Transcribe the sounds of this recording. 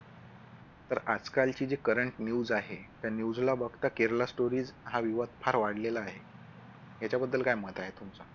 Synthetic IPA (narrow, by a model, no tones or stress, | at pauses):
t̪əɾad͡zkalt͡ɕiːd͡ʑekəɾəɳʈnjuːd͡zaɦet̪janjud͡zlabəɡt̪akeɾlasʈoɾiːd͡zɦaʋiʋəd̪̚pʰaɾʋaɽlelaːɦe | jat͡ɕjabəd̪ːəlkajmət̪aɦet̪umt͡sa